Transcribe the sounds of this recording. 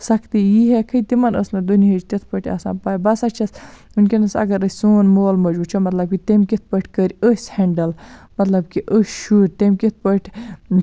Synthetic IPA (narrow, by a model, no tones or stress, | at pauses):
sɐkʰt̪ijiɦekʰɐt̪imɐnə̰snɐd̪uniɦəd͡ʒt̪it̪ʰpəʈʰʲa̰sa̰ːnpaːjbɐsɐt͡ʃʰɐsunkʲinɐsɐ̰ɡɐɾəsʲsuːnmoːlmɐd͡ʒbut͡ʃʰomɐt̪lɐb̚kit̪emkit̪̚ʰpəʈʰʲkəɾʲəsʲheɳɖɐlmɐt̪lɐb̚kiʔəsʲʃuːɾʲt̪emkʲit̪̚ʰpəʈʰʲ